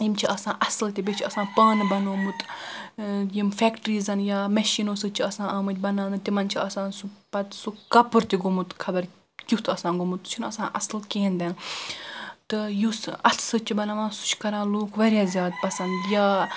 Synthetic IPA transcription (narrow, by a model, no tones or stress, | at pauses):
imt͡ʃʰiʔɐsãːʔɐsɨlt̪ibet͡ʃʰiɐsãːpɐːnbɐnoːmut̪ | jimfɛːkʈɾiːzɐnjaːmɐʃiːnoːsɨt͡ʃʰiɐsãːʔɐːmɨt̪̚ʲbɐnaːnɨt̪imɐnt͡ʃʰiɐsãːnsupɐt̪sukɐpɨɾt̪iɡomut̪kʰɐbɐɾ | kʲut̪ʰɐsãːɡomut̪ːt͡ʃʰunɐsãːʔɐslkeːnd̪ʲen | t̪ɨjusɐt̪ʰsɨt͡ʃʰibɐnɐʋãːnsu̥t͡ʃʰkɐɾãːnloːkʰʋɐɾʲjaːzʲjaːd̪̚pɐsɐnd̪jaː